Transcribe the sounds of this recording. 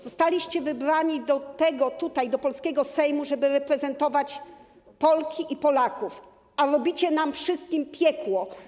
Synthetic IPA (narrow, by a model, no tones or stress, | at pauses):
zɔst̪alʲiɕt͡ɕɛvɘbɾaɲid̪ɔt̪ɛɡɔt̪ut̪ajd̪ɔpɔlskʲɛɡɔsɛjmuʐɛbɘɾɛpɾɛzɛnt̪ɔvat͡ɕ | pɔlkʲiʔipɔlakuf | aɾɔbʲit͡ɕɛnamfʂɘst̪̚kʲimpʲjɛkwɔ